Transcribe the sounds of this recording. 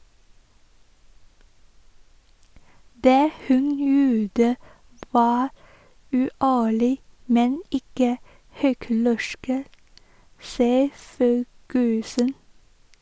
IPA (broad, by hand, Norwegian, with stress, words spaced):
ˈdeː ˈhʉn ˈjuːdə ˈʋɑː ʉːˈʔæːɭɪ ˈmɛn ˈɪkə ˈhʏklɛʃk ə ˈsiːə ˈføːɡəsən